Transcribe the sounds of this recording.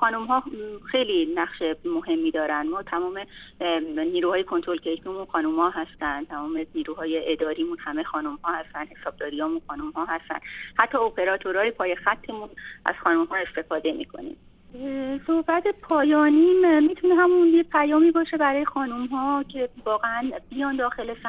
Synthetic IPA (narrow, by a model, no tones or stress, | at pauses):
xɒːnumɦɒːxe̞jliːnæχʃemo̞he̞mːiːd̪ɒːɾænd̪mɒːt̪ʰæmɒːme̞ | niːɾuːhɒːje̞kʰont̪ɾo̞lcʰejmʰimunxɒːnumhɒːɦæst̪ænd̪t̪ʰæmɒːmeniːɾuːɦɒːjeʔed̪ɒːɾiːmuːnhæmexɒːnumhɒːhæst̪ænd̪he̞sɒːb̥̚d̪ɒːɾijɒːmunxɒːnumhɒːɦæst̪æ̰nd̪hæt̪ʰːɒopʰe̞ɾɒːt̪ʰoɾɒːjepʰɒːje̞xæt̪ʰːe̞mũnʔæ̰z̥xɒːnumhɒːe̞st̪e̞fɒːd̪e̞mḭkʰo̞̰nḭm | so̞hbæt̪ʰe̞pʰɒːjɒːniːmmiːt̪ʰune̞ɦæmunjepʰæjɒːmiːbɒːʃe̞bæɾɒːjexɒːnumɦɒːcʰe̞vɒːɣeænb̥ijɒːnd̪ɒːxe̞lesæ